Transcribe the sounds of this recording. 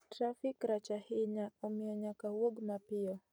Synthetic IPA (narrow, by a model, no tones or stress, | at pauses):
tɾafikɾat͡ʃahiɲaumɛɔɲakawɔɡmapiɔ